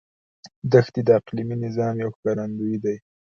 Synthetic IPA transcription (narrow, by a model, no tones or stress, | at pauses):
d̪axt̪id̪əaqliminɪzɑmjawxkɑɾand̪ujid̪aj